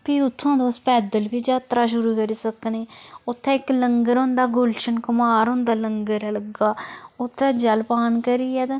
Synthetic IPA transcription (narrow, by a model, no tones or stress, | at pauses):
piːʊt̪ʰːãːd̪oːspɛːd̪əlbiːd͡ʒaːt̪ɾaːʃ̬ʊɾuːkəɾiːsəkneːʊt̪ʰːɛ̃ːɪkləŋɡəɾɦʊ̃nd̪aːɡʊlʃənkəmaːɾɦʊ̃nd̪aːləŋɡəɾləɡaːʊt̪ʰːɛːd͡ʒəlpaːnkəɾiːɛːt̪ː